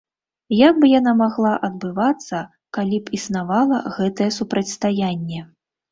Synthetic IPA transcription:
jaɡ̚bɨjanamaɣlˠaʔɐd̪̚bɨvat̪sːɐ | kalʲipisnavalˠɐɣɛt̪ɐjɛsupɾɐt͡sʲst̪ajanʲːɛ

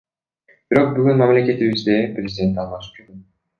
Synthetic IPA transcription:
b̥iɾo̞q̚byɡynmamlʲe̞kʲe̞t̪iβizd̪eprʲɪzʲɪd̪ʲe̞nt̪ɑlˠmɑʃɯ̥p̚d͡ʒydy

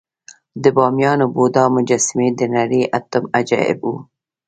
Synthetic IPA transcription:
d̪əbɑːmjɑːnobod̪ɑːmʊd͡ʒasmed̪ənaɾiʔat̪ʊmad͡ʒɑ̰ɪ̰bu

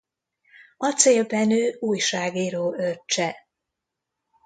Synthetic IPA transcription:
ɒt̪seːlbɛnøːuːjʃaːɡiɾoːøt͡ʃːɛ

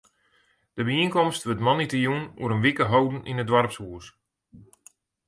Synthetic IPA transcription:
d̥əbəiənkɔmstʋətmɔnitijunṵəɾənʋikəɦowdn̩ʔinədʋaɾpsuəs

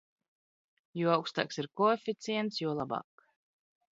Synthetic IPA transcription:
juɔawkst̪a̰ːksiɾkɔefʲit̪siɛnt̪sjuɔlˠabɑ̰ːk

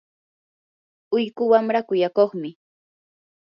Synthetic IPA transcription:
ʊjkʊwamɾakʊjakoχmɪ

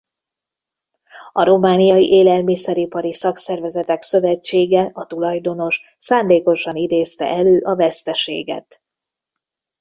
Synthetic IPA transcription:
ɒɾo̞maːnijɒjiʔeːlɛlmisɛɾipɒɾisɒksɛrvɛzɛt̪ɛksø̞vɛt͡ʃːeːɡɛɒt̪ulɒjd̪o̞no̞ʃ | saːnd̪eːko̞ʃɒnid̪eːst̪ɛ̰ʔɛløːʔɒvɛst̪ɛʃḛːɡɛ̰t̪

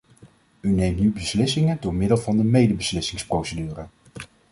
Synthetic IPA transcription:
ynejmtnybəslɪsɪŋəndʊːɹmɪdəlˠvɑndəmejdəbəslɪsɪŋsprowsədyːrə

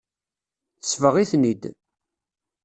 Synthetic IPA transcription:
θəsːvəʁiθnid̪

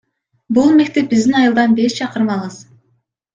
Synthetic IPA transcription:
bulˠme̞k̚t̪e̞p̚bizd̪inɑjɯlˠd̪ɑnbe̞st͡ʃʰɑqɯɾɯmɑlˠʁɯz

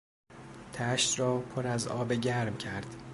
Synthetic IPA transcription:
t̪ʰæʃt̪ɾɒːpʰoɾæzɒ̰ːbeɟæɾmcʰæɾd̪̥

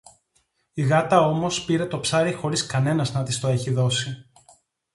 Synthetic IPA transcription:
iɣɐt̪ɐo̞mo̞spiɾe̞t̪o̞psɐɾixo̞ɾiskɐne̞nɐznɐt̪ist̪o̞e̞çiðo̞si

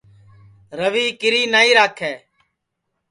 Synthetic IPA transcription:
ɾəʋiːkɪɾiːnaːiːɾaːkʰːeː

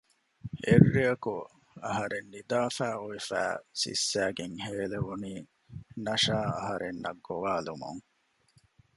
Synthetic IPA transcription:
ʔḛrːiɐku | ɐ̰ɦɐɾenːid̪aːfæːoefæ̰ːsḭsːæːɡeŋheːleʋuniː | nɐʃaːɐ̰ɦɐɾʔenːɐ̰ɡːoʋaːlumṵŋ

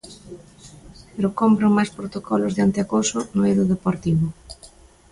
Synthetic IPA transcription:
peɾokɔmpɾʊmajspɾot̪okʰɔlʊzðeant̪eakosʊnʊeðʊðepoɾt̪iβʊ

